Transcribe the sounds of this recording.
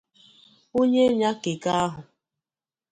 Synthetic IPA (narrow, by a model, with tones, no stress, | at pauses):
o˦ɲe˦ɲa˦ke˨ka˦a˦ɦʊ˨